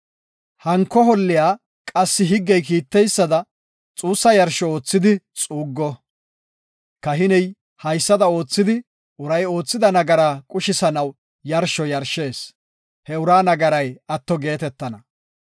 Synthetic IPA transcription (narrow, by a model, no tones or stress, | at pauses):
hɐŋkːɔɦɔlːɪjaː | kʼɐsːɪɦɪɡːɛjk̬iːt̪ːɛjsːɐd̪ɐ | t͡sʼuːsːɐjɐɾʃɔoːt͡sːɪd̪ɪt͡sʼuːɡːɔ | kɐɦɪnɛj | hɐjsːɐd̪ɐo̞ːt͡sːɪd̪ɪ | ʔʊɾɐjo̞ːt͡sːɪd̪ɐnɐɡɐɾaːkʼʊʃɪsɐnɐw | jɐɾʃɔjɐɾʃe̞ːs | hɛʊɾaːnɐɡɐɾɐjɐt̪ːɔɡe̞ːt̪ɛt̪ːɐnɐ